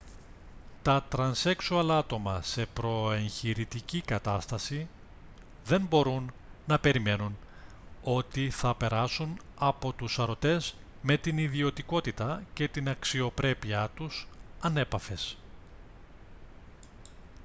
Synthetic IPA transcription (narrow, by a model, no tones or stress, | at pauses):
t̪ɐt̪ɾɐnse̞ksuɐlɐt̪o̞mɐse̞pɾo̞e̞ɲçiɾit̪icikɐt̪ɐst̪ɐsi | ðe̞nbo̞ɾunː | ɐpe̞ɾime̞nun | o̞t̪iθɐpe̞ɾɐsunɐpo̞t̪usɐɾo̞t̪e̞z | me̞t̪iniðio̞t̪iko̞t̪it̪ɐce̞t̪inɐksio̞pɾe̞piɐt̪usɐne̞pɐfe̞s